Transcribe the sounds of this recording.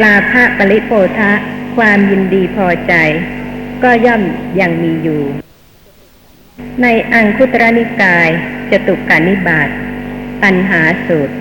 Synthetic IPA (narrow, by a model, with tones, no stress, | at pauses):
klaː˧pʰa˦˥ʔpa˧li˦˥ʔpʰoː˧t̪ʰa˦˥ʔkʰwaː˧mji˧ndiː˧pʰɔː˧t͡ɕa˧jkɔː˥˩jɔ˥˩mja˧ŋmiː˧juː˨˩ | na˧jʔa˧ŋkʰu˦˥t̪ɾa˦˥ni˦˥kaː˧jt͡ɕa˨˩t̪u˨˩kːa˨˩nːi˦˥baː˨˩t̪̚pa˧nɦaː˩˦su˨˩t̪̚